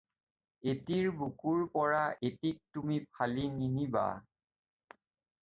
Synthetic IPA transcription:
etiɹbukuɹpɔɹaʔetik̚tumipʰalininiba̰

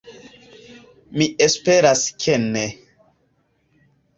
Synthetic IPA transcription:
miespeɾaskʰene

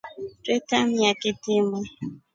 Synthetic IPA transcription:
tetam̩jakɪtɪme

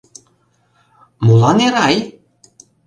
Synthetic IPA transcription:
mulɑneɾɑj

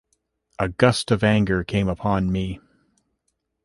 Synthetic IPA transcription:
ʔɨɡʌstʌvæ̃ŋɡə˞kʰẽɪ̃məpʰɑ̃nmi

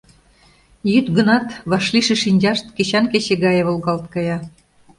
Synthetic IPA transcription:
jyt̪ɡənɑt̪βɑʃliʃĕʃinʲd͡ʑɑʃt̪keɕɑnkeɕeɣɑjeβolɣɑlt̪̚kɑjɑ

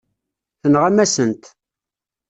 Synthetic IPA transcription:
θənʁæmæsənt̪

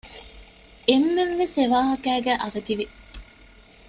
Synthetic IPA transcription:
emːeʋʋeseʋaːɦɐkæːɡæːʔɐʋɐt̪iʋi

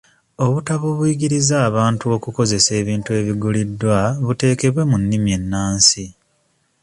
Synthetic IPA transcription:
o̞βutaβoβujiɡiɾizaːβaːntuo̞kuko̞ze̞se̞ːβiːntue̞ːβiɡulidːwaβute̞ːke̞βwe̞munːimje̞nːaːnsi

